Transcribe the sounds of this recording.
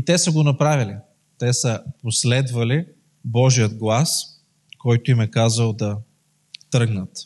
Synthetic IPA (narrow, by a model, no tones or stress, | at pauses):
it̪ɛsəɡonɐpɾavili | t̪ɛsəposlɛd̪vɐli | bɔʒijəd̪ɡlˠas | kɔjt̪ʊimɛkazəlˠd̪ɐ | t̪ɾɤɡnət̪